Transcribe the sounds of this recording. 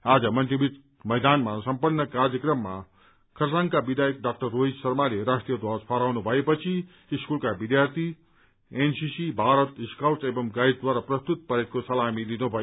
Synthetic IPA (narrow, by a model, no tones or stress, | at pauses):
ad͡zʌmʌnt̪ɾibit̪ | mɐjd̪anmasɐmpənːəkaɾjəkɾəmːa̰ | kʰɐɾsãŋɡkabid̪ʱaːjek̚ɖaːk̚ʈərːoɦid͡ʒsɐɾmaleɾaʂʈɾijəd̪waspʰaɾawnubʱʌepʌt͡sʰi | iskulkabid̪jaɾt̪ʰi | ensisibʱaɾət̪iskawsebʌmɡaid̪̚d̪waɾapɾɐst̪ut̪̚pɐɾet̪̚kosɐlamilinubʱʌe